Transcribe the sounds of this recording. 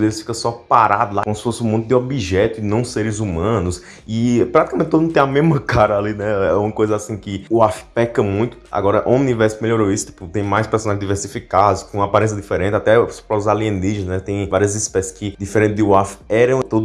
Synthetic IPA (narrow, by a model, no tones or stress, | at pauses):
d̪elɪsfi̥kɐsɔpaɾad̪ʊlakõmʊsɪ̥fosɪũmõt̪ʊd̪ɪobiʒɛt̪ʊɪnɐ̃w̃seɾɪzumɐ̃nʊs | ɪpɾat̪i̥kamẽt̪ɪt̪od̪ñt̪ẽamezmɐkaɾɐalinɛɛũmɐkojzɐasĩkɪuafpɛkɐmũj̃t̪ʊ̥a̰ɡɔɾɐʔõũnivɛɾsmeʎjoɾoisʊ̥t̪i̥pʊt̪ẽj̃majspeɾsonaʒɪ̃zd̪iveɾsifikad̪ʊskõapaɾẽs̬jɐd̪ifeɾẽnt̪ɪat̪ɛsɔ̥pɾɔzaliẽniʒznɛt̪ẽj̃vaɾiɐzispɛsɪ̥skɪd̪ifeɾẽnt̪ɪd̪ɪuafɛɾɐ̃w̃t̪od̪